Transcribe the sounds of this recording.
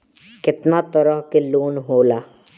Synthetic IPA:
kɪt̪nat̪əɾəɦkeloːnɦoːlaː

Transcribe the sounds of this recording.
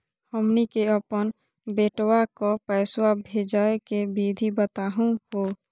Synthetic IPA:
həmnikeəpən | beːʈwakopɛːswabʱeːd͡ʒaːekebiːd̪ʱibət̪aːɦũɦoː

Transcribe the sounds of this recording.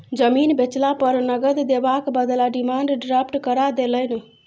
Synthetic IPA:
d͡ʒəminbet͡ʃlapəɾnəɡəd̪d̪ebakbəd̪laɖimaɳɖɖɾapʰʈkəɾad̪eləni

